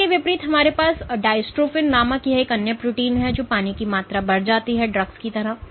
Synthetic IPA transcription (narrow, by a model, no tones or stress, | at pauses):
iʋɪpɾiːt̪ɦɐmaːɾepaːsɖaːɪsʈɾoːfɪnːaːmãkiɦɛeːkɐnjəpɾʊʈiːnɦɛd͡ʒoːpaːnikimaːt̪ɾabɐɾd͡ʒaːt̪iɦɛɖɾɐɡskit̪ɐɾaɦ